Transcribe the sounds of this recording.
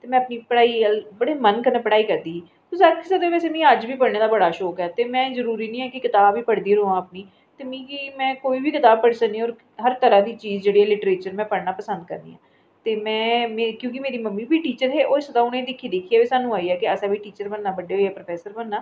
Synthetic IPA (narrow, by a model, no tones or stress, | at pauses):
t̪eːmɛ̃ːəpniːpəɽaːiːbəɽeːmənkəɾnẽːpəɽaːiːkəɾd̪iː | t̪osaɾkʰɪsəd̪eːpɛːseːmĩːəd͡ʒbiːpəɽnẽːd̪aːbəɽaːʃoːkɛːt̪eːmɛ̃ːzəɾuːɾiːnĩːɛːkɪkɪt̪aːbʋiːpəɽd̪iːɾoːãːəpniː | t̪eːmĩːkimɛ̃ːkoːiːbiːkɪt̪aːb̚pəɽsəkniːɔːɾ | ɦəɾt̪əɾãːd̪iːt͡ʃiːzd͡ʒeːɽiːɛːlɪʈəɾeːt͡ʃəɾmɛ̃ːpəɽnaːpəsə̃nd̪̚kə̰ɾnḭːã̰ː | t̪eːmɛ̃ːmekjõːkimeːɾiːməmːiːbiːʈiːt͡ʃəɾɦeːʔoːsəd̪ãːʊnẽid̪ɪkʰːiːd̪eːkʰːiːaːʋiːsaːnũːaːiɛːkɪəsãbiːʈiːt͡ʃəɾbənːaːbəɖeːɦoɛːpɾəpʰɛːsəɾbənːaː